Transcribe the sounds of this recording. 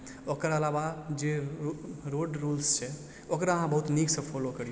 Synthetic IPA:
okəɾəlaʋad͡ʒe | ɾoɖɾuːlst͡ʃɛ | okɾaəɦãbəɦut̪niːksə̃pʰɔlokəɾie

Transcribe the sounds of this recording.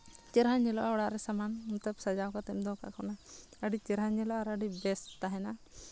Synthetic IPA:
t͡ʃɛɾɦaɲɛlɔʔaɔɽaʔɾɛsamanut̪əbsad͡ʒakat̪ɛmd̪ɔkaʔkɔnaəɖit͡ʃɛɾɦaɲɛlɔʔaɾaɖibɛst̪aɦɛna

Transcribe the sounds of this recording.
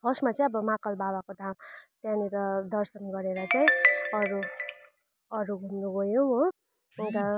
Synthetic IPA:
bʌsmat͡sʌj̃ʌbʌmakʌlbabakod̪ʱamt̪janiɾʌd̪ʌrsʌnɡʌɾeɾʌt͡saĩʌɾu | ʌɾuɡʱund̪uɡojomʌ | unt̪ʌ

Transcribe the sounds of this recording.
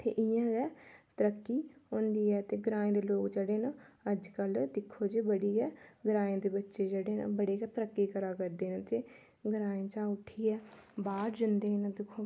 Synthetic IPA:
t̪ʰḛːʔɪjãːɡɛːt̪əɾəkːiːɦõːnd̪iːɛːt̪eːɡəɾãːẽːd̪eːloːkd͡ʒeɽeːnãːəd͡ʒkəld̪ɪkʰːoːd͡ʒebəɽiːɛːɡəɾaːẽːd̪eːbətːʃeːd͡ʒeːɽeːnã̰ːbəɽeːɡɛːt̪əɾəkːiːkəɾaːkəɾd̪eːnãːt̪eː | ɡəɾaːẽːt͡ʃãːʊʈʰːiːɛːbaːɾd͡ʒənd̪eːnãːd̪ɪkʰːoː

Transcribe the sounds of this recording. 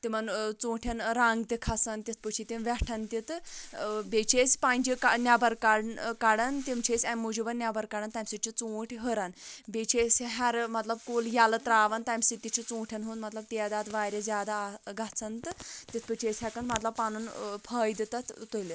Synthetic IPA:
t̪imənt͡sõːʈʰanɾaŋɡt̪ekʰasant̪ʲit̪ʰpət͡ʃʰit̪iʋɛʈʰant̪it̪ | bet͡ʃʰespand͡ʒikanʲjabɐɾkaɽkaɽant̪imt͡ʃʰesʲamud͡ʑibɐnnʲjabɐɾkaɽant̪ajmsit͡ɕʰit͡sõːʈʰɦəɾanbet͡ɕʰesɦaɾmɐt̪lɐbkoljalət̪ɾaːʋant̪ajmsit̪ːit͡ɕʰit͡sõʈʰjanɦunmɐt̪lɐb̚t̪ijad̪at̪ʋaɾʲed͡zʲaːd̪aːɡat͡sʰənt̪t̪it͡s̪ʰpət͡ʃʰesʲɦakənmɐt̪lɐbpanunpʰəːjd̪t̪at̪t̪oli

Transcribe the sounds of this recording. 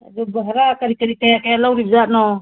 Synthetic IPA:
a̰d͡ʒɔbəɦɾakaɾikaɾikajakajalawɾib̚zaʔnɔ

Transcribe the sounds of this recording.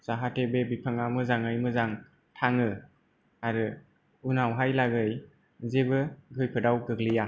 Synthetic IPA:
z̥aɦatebebipʰɯŋamɯzaŋɯjmɯzaŋ | tʰaŋɯ | aɾɯ | unawɦajlaɡɯj | zebɯɡʱɯjpʰɯdawɡɯɡlija

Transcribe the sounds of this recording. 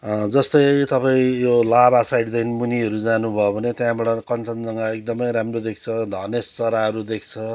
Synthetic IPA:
d͡zʌst̪ʌjt̪ʌpaĩjolabasajɖd̪ʌjnmuniʌɾud͡zanubʱʌobʱʌnet̪jãbaɽʌkʌnt͡sʌnd͡zʌŋɡʌek̚d̪ʌmʌjɾamrod̪ekʰt͡sʰʌd̪ʱʌnest͡sʌɾaɦʌɾud̪ekʰt͡sʰʌ

